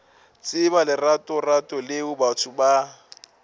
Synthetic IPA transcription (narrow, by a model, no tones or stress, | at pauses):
t͡sʼɪβalɪratʼɔratʼɔlɪʊbat͡sʰʊba